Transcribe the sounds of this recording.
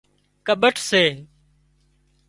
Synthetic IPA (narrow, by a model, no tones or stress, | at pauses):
kəɓəʈʰseː